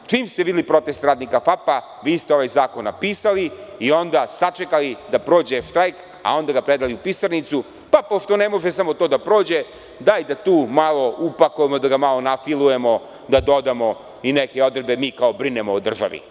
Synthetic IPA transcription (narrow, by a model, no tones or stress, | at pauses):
t͡ʂiːmst̪eid̪ilipɾo̞t̪e̞st̪ɾaːd̪nikafapa | ʋiːst̪eo̞ʋajzaːkonːa̰piːsaliio̞nd̪asat͡ʃekalid̪apɾoːd͡ʑeʃt̪ɾajk | a̰o̞nd̪aɡapɾed̪aliupisaɾnit̪su | papo̞ʂt̪o̞nemo̞ʒesamo̞t̪oːd̪apɾo̞ːd͡ʑe̞ | d̪ajd̪at̪uːmalˠo̞ʔupakujemod̪aɡamalˠo̞nafilˠuje̞mo̞ | d̪ad̪o̞d̪amo̞ | inekeo̞d̪ɾebe̞miːkaobɾinemood̪r̩ʒa̰ʋḭ